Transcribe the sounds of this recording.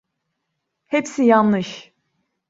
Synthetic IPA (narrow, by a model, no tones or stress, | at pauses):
hepsijanlɯʃ